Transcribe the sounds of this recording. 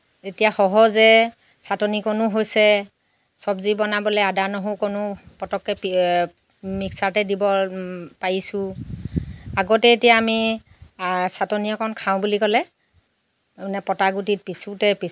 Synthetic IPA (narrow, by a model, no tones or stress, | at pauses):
etijaxɔɦɔzɛ | satɔnikonʊɦojsɛ | sɔbzibɔnabɔlɛadanɔɦokonʊpɔtɔkːɛp | miksaɹtɛdibɔpaɹisʊ̃ | aɡɔtɛetijaːmi | satɔniɔkʰɔnkʰaʊ̃bulikɔlɛ | nɛpɔtaɡutit̚pisutɛpi